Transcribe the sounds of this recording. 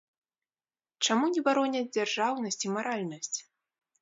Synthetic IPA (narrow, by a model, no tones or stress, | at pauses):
t͡ʂamunʲɛbaɾɔnʲɐd͡zʲd͡zʲarʐawnɐsʲt͡sʲimaɾalʲnɐsʲt͡sʲ